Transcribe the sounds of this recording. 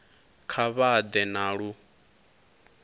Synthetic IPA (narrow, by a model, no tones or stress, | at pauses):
kʰaβad̪ɛnaɺu